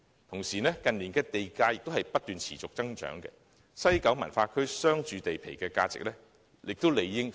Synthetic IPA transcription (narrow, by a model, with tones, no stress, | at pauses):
t̪ʰʊ˨˩ŋsiː˨˩nɛː˥kɐ˨nliː˨˩nkɛː˧t̪e˨jkaː˧jɪ˨k̚t̪o˥whɐ˨jpɐ˥t̚t̪yː˨nt͡sʰḭː˨˩t͡sʊ˨k̚t͡sɐ˥ŋt͡ʃœ̰ː˨˥ŋkɛ̰˧ | sɐ˥jkɐ˨˥wmɐ˨˩nfaː˧kʰɵ˥ɥsœː˥ŋt͡ʃyː˨˧t̪e˨jpʰḛ˨˩jkɛː˧kaː˧t͡sɪ̰˨k̚lɛ˥ | jɪ˨k̚t̪o˥wle˨˩jːɪ˥ŋ